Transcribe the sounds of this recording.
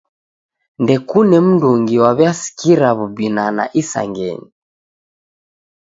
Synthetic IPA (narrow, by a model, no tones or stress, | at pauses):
ndɛkunɛm̩nduŋɡiwaβjasi̥kiɾaβubinana̰ʔisa̰ŋɡɛ̰ɲi